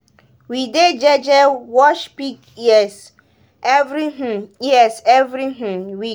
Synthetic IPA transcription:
wided͡ʒɛd͡ʒɛwɔʃpik | ɛs | ɛvɾiɦ̩iɛsɛvɾiɦ̩wik

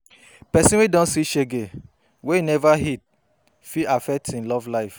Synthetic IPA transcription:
pɛsĩwedɔ̃nsiʃeɡe | weinɛvaɦit̚ | fiafɛk̚tĩnlɔvlaɪf

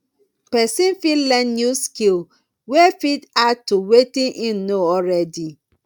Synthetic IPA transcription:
pɛsĩnfilɛ̃njuskil | wefitatuwetĩnʔĩnːoɔɹɛdi

